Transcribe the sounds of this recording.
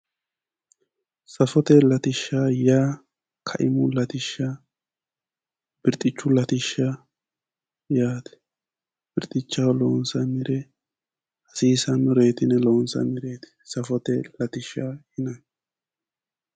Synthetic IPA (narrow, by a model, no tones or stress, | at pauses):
sɐfɔt̪ɛlɐt̪ɪʃːajaː | kʰɐʔɪmʊlɐt̪ɪʃːɐ | b̥ɪɾt̪ʼɪt͡ʃːʊlɐt̪ɪʃːɐ | jaːt̪ɛ̥ | b̥ɪɾt̪ʼɪt͡ʃːawloːnsɐmɪɾɛ | ɐsiːsɐnʊɾe̞ːt̪ɪnɛloːnsɐ̰mɪɾe̞ːt̪ɛ̥sɐfɔt̪ɛlɐt̪ɪʃːahɪnɐ